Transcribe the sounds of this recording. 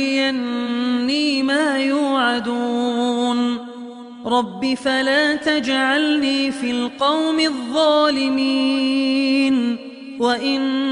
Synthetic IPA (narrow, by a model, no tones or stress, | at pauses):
janːiːmaːjuːʕad̪uːn | ɾˤɑbːɪfalaːt̪ad͡ʒʕalniːfiːlqɑwmɪðˤːɑːlɪmi | n | waʔɪn